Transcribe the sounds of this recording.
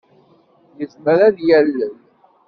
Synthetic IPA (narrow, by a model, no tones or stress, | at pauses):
jəzməɾæðjælːəl